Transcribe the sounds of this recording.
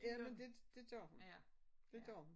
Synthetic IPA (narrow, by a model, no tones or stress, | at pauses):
jæmend̥e̝d̥e̝d̥jɔɐ̰hund̥e̝d̥jɔɐhun